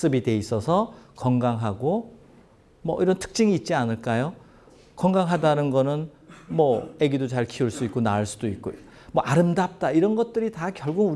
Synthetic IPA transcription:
s͈ɯbide̞is͈ʌsʰʌkʌŋɡaŋɦaɡo | mʌ̰ʔiɾʌntʰɯ̥k̚t͡ɕ͈iŋiːt̚t͡ɕ͈ianɯɭk͈ajo | kʌŋɡaŋɦadanɯnɡʌnɯn | mʌeɡidot͡ɕaɭkʰiuɭs͈uik͈onaɯɭs͈udoit̚k͈o | mʌʔaɾɯmdap̚t͈aiɾʌnɡʌt̚t͈ɯɾitakjʌɭɡuɡu

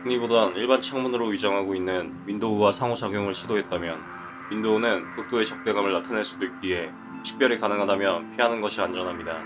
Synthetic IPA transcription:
kɯɲibodaniɭbant͡ɕʰaŋmunɯɾoɥid͡ʑʌŋɦaɡoinːɯnmindouwasʰaŋosʰaɡjoŋɯɭɕʰidoɦe̞t̚t͈amjʌn | mindounɯnkɯk̚t͈oe̞t͡ɕʌk̚t͈e̞ɡamɯɭːatʰanɦe̞ɭs͈udoik̚k͈ie̞ | ɕʰi̥k̚p͈jʌɾikanɯŋɦadamjʌnpʰiɦanɯnɡʌɕʰiand͡ʑʌnɦamɲida

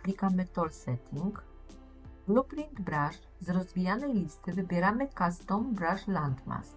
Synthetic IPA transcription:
plʲikamɘt̪ɔlsɛt̪ʲʰiŋk | ɡlupɾind̪bɾãʐ | zɾɔzvʲijanɛjlʲist̪ɘvɘbʲjɛɾamɘkast̪ɔmbɾaʐlant̪ma̰st̪

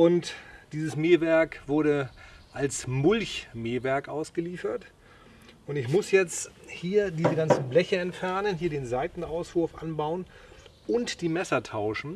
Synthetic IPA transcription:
ʔʊntd̥iːzəsmeːvɛɐkv̥ʊɐɾəʔalsmʊlçmeːvɛɐkʔaʊsɡ̥əliːfɐt | ʔʊntɪçmʊsjɛt͡sthiːɐdiːzəɡant͡sn̩blɛçɐɛntfɛɐnənɦiːɐdeːnzaɪtn̩aʊsv̥ʊɐfʔa̰nbaʊən | ʔʊntd̥iːmɛsɐtʰaʊʃn̩

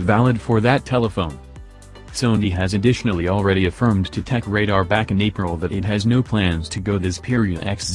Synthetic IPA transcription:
vælˠəd̥fə˞ðɨtʰɛlˠəfõʊ̃n | sõʊ̃ndiɨzɨdɪʃn̩l̩ˠil̩ˠɹɛɾiɨfɜ̃˞mtʰɨtʰɛkɹeɪɾɑʊə˞bækɨ̃neɪpɹl̩ˠðɨɾɨt̚ɦɨznoʊpʰl̥æ̃nz̥tʰɨɡoʊðɪspʰɪɹiɨɾɛ̰ks

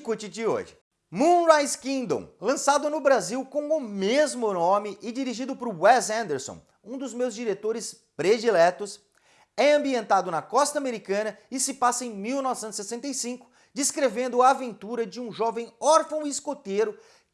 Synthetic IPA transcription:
kujt͡ʃɪd͡ʒɪo̰ʒɪ | mũɾajskĩnd̪õ̰w̃lɐ̃sad̪ʊnʊbɾaziwkõw̃ʊmezmʊnõmɪʔɪd͡ʒiɾiʒid̪ʊpɾʊwɛzɐ̃nd̪eɾsõ̰w̃ | ũd̪ʊzmewzd͡ʒiɾet̪oɾɪs | pɾed͡ʒilɛt̪ʊs | ɛɐ̃mbiẽnt̪ad̪ʊnɐkɔst̪ɐameɾikɐ̃nɐɪsɪpasɐẽj̃miwnɔvɪsẽt̪ʊ̥sesẽnt̪ejsĩŋkʊ̥ | d͡ʒiskɾevẽnd̪ʊaːvẽnt̪uɾɐd͡ʒɪũʒɔvẽj̃ɔɾfɐ̃w̃iskot̪eɾʊ

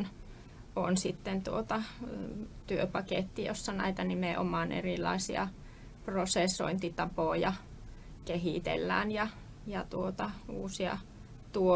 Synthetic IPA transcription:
n | o̰nsit̪ːent̪uot̪ɑ | t̪yøpɑkeˑt̪ːijo̰sːɑnæ̰it̪ænimeʔo̰mɑˑnʔḛrilːˑɑ̰isḭɑ̰ | prosesːo̰int̪it̪ɑpoˑjɑ | keɦiˑt̪ḛlːæ̰ːnjɑ | jɑt̪uot̪ɑuːsiɑ̰ | t̪uo

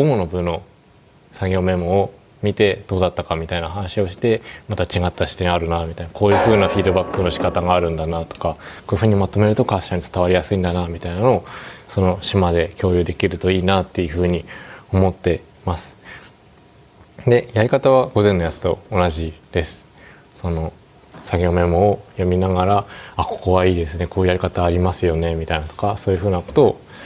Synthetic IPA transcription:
ɡomono̞bɯ̟no̞ | sãŋɡʲo̞ːmẽ̞moo | mʲit̪e̞d̪̥o̞ːd̪at̪ːakamʲit̪ainaɦanaɕio̞ɕi̥t̪e̞mat̪at͡ɕiɡat̪ːaɕi̥t̪ẽɰ̃aɾɯ̟namʲit̪ainako̞ːjɯ̟ɸɯ̟ːnaɸʲiːd̪o̞bakːɯ̟no̞ɕi̥kat̪aɡaːɾɯ̟̃nd̪anat̪o̞̥kako̞ːjɯ̟ɸɯ̟ːɲ̟imat̪o̞me̞ɾɯ̟t̪o̞kaɕaɲ̟it͡sɨ̥t̪aβ̞aɾʲijasɨĩnd̪anamʲit̪ainanoːso̞no̞ɕimad̪e̞kʲo̞ːjɯ̟ːd̪e̞kʲiɾɯ̟t̪o̞iːnat̪ːe̞jɯ̟ɸɯ̟ːɲ̟io̞mo̞t̪ːe̞ | masɨ̥ | d̪e̞jaɾʲikat̪aβ̞aɡo̞zẽ̞nːo̞jat͡sɨ̥t̪o̞onaʑid̪̥e̞sɨ̥ | so̞no̞ | saɡʲoome̞moːjamʲinaɡaɾaako̞̥ko̞βaiːd̪e̞sɨne̞ko̞ːjɯ̟jaɾʲikat̪aːɾʲimasɨjo̞ne̞mʲit̪ainat̪o̞kaso̞ːjɯ̟ɸɯ̟ːnako̞̥t̪o̞ː

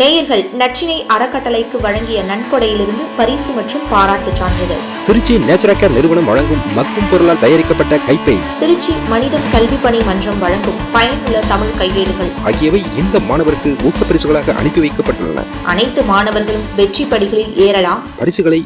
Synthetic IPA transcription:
neːjɪɾɣɐɭnɐʈ̚t͡ʃːɪnɐɪʔɐɾɐkːɐʈːɐlɐɪkːɯʋɐɻɐŋɡɪjɐnɐnkɔɽɐjɪlɪɾɯnd̪ɯpɐɾiːsɯmɐʈrɯmpaːɾaːʈːɯt͡ʃːaːɳd̪ɐɣɐ̰ɭ | t̪ɪɾɯt͡ʃːineːt͡ʃːɐɾaːʈːɐːɾnɪɾɯʋɐɳɐmʋɐɻɐŋɡɯmːɐkːɯmpɔɾɐlaːlt̪ɐjaːɾɪkːɐpːɐʈːɐkɐɪpːɐɪt̪ɪɾɯt͡ʃːimɐnɪðɐmkɐlʋipːɐɳimɐndrɐmʋɐɻɐŋɡɯmpɐjɐnɯɭːɐt̪ɐmɪɻkɐɪjːeːɽɯɣɐɭaːɣɪjɐʋɐɪɪnd̪ɐmaːɳɐʋɐɾɯkːɯuːkːɐpːɐɾɪsɯɣɐɭaːɣɐʔɐ̰ɳɪpːiʋɐɪkːɐpːɐʈːɯ̰ɭːɐ̰nɐ̰ | ʔɐnɐɪt̪ːɯmaːnɐʋɐɾɣɐɭɯmʋɛʈripːɐɽɪɣɐɭɪleːɾɐlaːmpɐɾɪsɯɣɐɭɐɪ

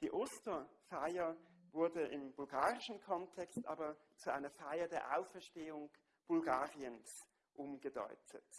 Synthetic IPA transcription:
d̥iːʔostɐfaɪɐvʊɐdəʔɪmbʊlɡaːʁɪʃn̩kʰɔntʰɛkstʔa̰ːbɐ | t͡suʔa̰ɪnɐfaɪɐdeːɐʔa̰ʊfɛɐʃteːʊŋ | b̥ʊlɡaːʁiəns | ʔʊmɡədɔ̰ʏtʰət

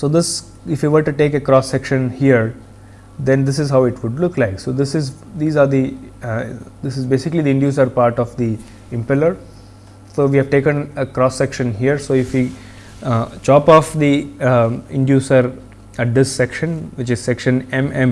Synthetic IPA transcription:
soːd̪ɪs | ɪfjiːʋəʈːuʈeːkekɾɔːsːɛkʃə̃nhiəɾ | d̪ɛ̃nd̪ɪsɪzɦaʊɪʈʋʊɖlʊklaɪksoːd̪ɪsɪz | d̪iːzaːɾd̪i | d̪ɪsɪzbeːsɪklid̪iɪ̃ɳɖjuːs̬əɾpaːɾʈɔʋd̪i | ɪ̃mpɛləɾ | soːʋiːhɛʋʈeːkə̃nəkɾɔːsːɛkʃə̃nɦiəɾsoːɪfʋi | t͡ʃɔːpɔːfd̪i | ɪ̃ɳɖjuːsəɾ | ɖɪsːɛkʃə̃nʋɪt͡ʃɪz̥sɛkʃə̃nɛ̃mɛ̃m

